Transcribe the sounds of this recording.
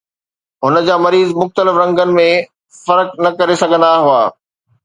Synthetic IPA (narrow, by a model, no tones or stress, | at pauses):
ɦʊnə̆d͡ʑaːmɐɾiːzmʊxt̪əlɪfɾɐ̃ŋɡənɪ̆mẽ | fɐɾknɐkɐɾesɐɡʱə̃nd̪aɦuaː